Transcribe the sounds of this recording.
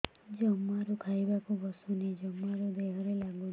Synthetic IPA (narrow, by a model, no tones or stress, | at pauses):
d͡ʒɔmːaɾukʰajbakubɔsɔned͡ʒɔmaɾud̪eɦɔɾelaɡu